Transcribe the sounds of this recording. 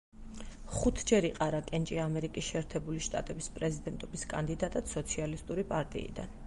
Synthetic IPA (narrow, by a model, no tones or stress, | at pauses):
χut̪ʰd͡ʒɛɾiqʼaɾakʼɛnt͡ʃʼiamɛɾikʼisʃɛːɾt̪ʰɛbuliʃt̪ʼa̰t̪ʼɛbispʼɾɛzid̪ɛnt̪ʼɔbiskʼa̰nd̪id̪at̪ʼad̪sɔt̪sʰialist̪ʼuɾipʼaɾt̪ʼḭḭd̪a̰n